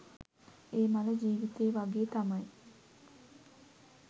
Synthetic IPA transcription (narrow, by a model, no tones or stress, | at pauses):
eːmaləd͡ʒiːʋit̪eːʋaɡeːt̪amaj